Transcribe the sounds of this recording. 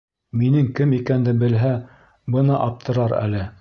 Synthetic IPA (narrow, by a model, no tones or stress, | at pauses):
minɘŋkɘmikænd̪ɘbɘ̆lɦæ | bɤnɑʔɑp̚t̪ʰɤ̆ɾɑɾæ̰lɘ